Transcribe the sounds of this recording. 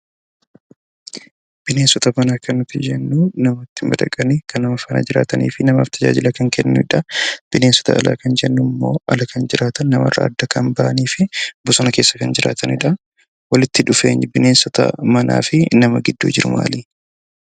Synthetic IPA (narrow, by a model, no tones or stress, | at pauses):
b̥ɪneːnsɔt̪ɐmɐnaːkɐnːʊt̪ːɪd͡ʒɛnːuːnɐmot̪ːɪmbɐd̪ɐkʼɐnɪkʰɐnɐmɐfɐnɐ̰d͡ʒɪɾa̰ːt̪ɐnḭːfɪnɐmaːft̪ʰɐd͡ʒa̰ːd͡ʒɪlɐkɐŋkɛnːʊɪᶑɐb̥ɪne̞ːnsɔ̥t̪ʰɐ̰ʔːlʔa̰ːkɐnd͡ʒɛnːʊmːo̞̰ːʔɐlɐkɐnd͡ʒɪɾaːt̪ɐnːɐmɐ̰rɐ̰ːd̪ːɐkɐnbɐʔɐniːfɪbʊsɔnɐke̞ːsːɐ̥kɐnd͡ʒɪɾʔa̰ːt̪ʰɐnɪᶑɐ | wɐlɪt̪ːɪᶑʊfeːɲbɪne̞ːnsɔt̪ɐ̰mɐna̰ːfɪnɐmɐɡɪd̪ːṵːd͡ʒɪɾʊ̰ma̰ːliː